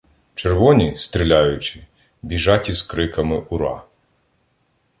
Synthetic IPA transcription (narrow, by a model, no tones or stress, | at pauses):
t͡ʃeɾʋɔnʲist̪ɾʲilʲajʊt͡ʃɪ | bʲiʒɑtʲizkɾɪkɐmɪʔʊɾɑ̰